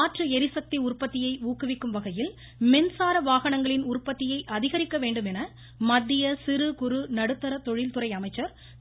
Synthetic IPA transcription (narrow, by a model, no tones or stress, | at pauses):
aːʈrɯɛɾɪsɐk̚t̪iʊrpːɐt̪ːɪjɐɪuːkːɯʋɪkːɯmʋɐɣɐjɪl | mɛnsaːɾɐʋaːɣɐɳɐŋɡɐɭɪnʊrpːɐt̪ːɪjɐɪʔɐðɪɣɐɾɪkːɐʋeːɳɖɯmɛnɐ | mɐd̪ːɪjɐsɪɾɯkʊɾɯnɐɽɯt̪ːɐɾɐt̪ɔɻɪlt̪ɯɾɐɪɐmɐɪt͡ʃːɐɾ